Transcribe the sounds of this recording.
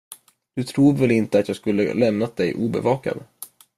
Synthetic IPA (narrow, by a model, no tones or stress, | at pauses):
d̪̥ɵt̪ʰɾuːvɛlɪnt̪əat̪jɑːɡskɵlːə̰lɛmnat̪̚d̪ɛjʔuːbɛ̰vɑːka̰d̪